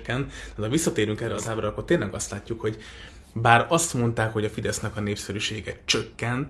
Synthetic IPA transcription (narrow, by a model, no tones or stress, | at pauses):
kːɛnt̪ɛd̪ɒvʋisːɒt̪eːɾyŋkɛrɛɒzaːbɾɒkːo̞rt̪eːnlɛɡɒst̪laːcːukho̞ɟ | baːɾɒst̪mo̞nt̪aːkho̞ɟɒfid̪ɛsnɛkɒneːpsɛɾyʃeːɡɛt͡ʃøkːɛnt̪